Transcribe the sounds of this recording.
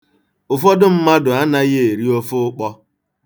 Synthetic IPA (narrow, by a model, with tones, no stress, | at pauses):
ʊ˨fɔ˦dʊ˦m̩˦ma˦dʊ˨a˦na˦ɣe˦e˨ɾi˦o˦fʊ˦k͡pɔ˦